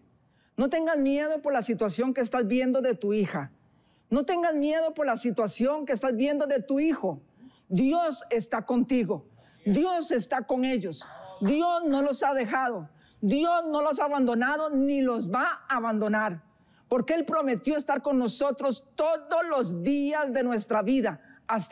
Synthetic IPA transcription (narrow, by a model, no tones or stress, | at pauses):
no̞t̪e̞ŋɡazmje̞ð̞o̞po̞ɾlasit̪wasjo̞ŋkeːst̪azbje̞nd̪o̞ðe̞t̪uixa | no̞t̪e̞ŋɡazmje̞ðo̞po̞ɾlasit̪wasjo̞ŋkeːst̪azbje̞nd̪o̞ðe̞t̪uixo | d̪jo̞se̞st̪ako̞nt̪iɣo̞ | d̪jo̞se̞st̪ako̞ŋe̞ʎo̞sd̪jo̞sno̞lo̞saðe̞xaðo̞ | d̪jo̞zno̞losaːβand̪o̞naðo̞nilo̞zbaaβand̪o̞naɾ | po̞ɾke̞e̞lpɾo̞me̞t̪jo̞est̪aɾko̞nno̞so̞t̪ɾo̞st̪o̞ðo̞lo̞zd̪iazd̪e̞nwe̞st̪ɾaβiðaas